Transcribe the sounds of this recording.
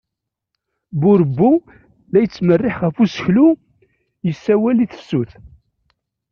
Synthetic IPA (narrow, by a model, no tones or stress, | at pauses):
bʊɾəbːu | læjət͡sːmərːɪħʁəfusə̥çlu | jəsːæwæliθə̥sːuθ